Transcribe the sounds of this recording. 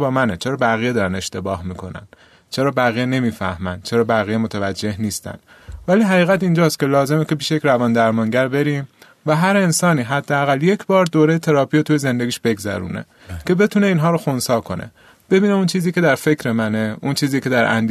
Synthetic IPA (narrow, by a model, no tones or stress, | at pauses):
bɒːmænet͡ʃʰeɾɒːbæɣijed̪ɒːɾæne̞ʃt̪e̞bɒːhmiːkʰo̞̰næ̰n | t͡ʃʰeɾɒːbæɣiːjene̞miːfæ̰hmæn̥t͡ʃʰe̞ɾɒːbæɣiːjemot̪ʰævæd͡ʒːe̞hniːst̪æ̰nd̪ | væliːɦæɣiːɣæt̪ind͡ʒɒːst̪kʰʲe̞lɒːze̞mecʰe̞piːʃejecʲɾævɒːnd̪æɾmɒŋɟæɾbe̞ɾiːm | væɦæɾe̞nsɒːniːɦæd̪ːeæɣælje̞cʰbɒːɾd̪oːɾe̞jet̪ʰe̞ɾɒːpʰiot̪ʰujeze̞nd̪e̞ɡiːʃbe̞ɡzæ̰ɾṵːnḛ | cʰe̞be̞t̪ʰune̞iːnɦɒːɾoxonsɒːkʰo̞nʔḛ | b̥e̞biːneunt͡ʃʰiːziːcʰe̞d̪æɾfe̞cʰɾemæneʔunt͡ʃʰiːziːcʰe̞d̪æɾʔæ̰nd̪